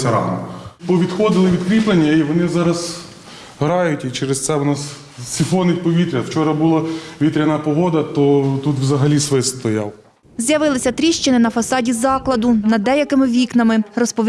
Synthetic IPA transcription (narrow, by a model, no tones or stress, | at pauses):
sʲɐɾɑ̰nɔ̰pɔʋʲid̪xɔd̪ɪlˠɪʋʲid̪kɾʲiplˠenʲːɐiʋɔnɪzɑɾɐz | ɦɾɑjʊtʲit͡ʃɛɾest̪sɛʋɔnɑs | sʲifɔnɪt̚ʲpɔʋʲit̪ɾʲɐwt͡ʃɔɾɐbulˠɐʋʲit̪ɾʲɐnɐpɔɦɔd̪ɐt̪ɔt̪ut̪wzɐɦɐlʲisʋɪst̪ɔjɑ̰lˠ | zʲjɐʋɪlˠɪsʲɐt̪ɾʲiʃt͡ʃɪnɪnɐfɐsɑdʲizɑklˠɐd̪ʊnɐd̪ɛjɐkɪmɪʋʲiknɐmɪrɔspɔ